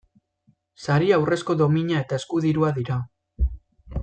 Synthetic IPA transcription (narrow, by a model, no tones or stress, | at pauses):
saɾiawre̞sko̞ðo̞miɲae̞t̪ae̞skuðiɾuaðiɾa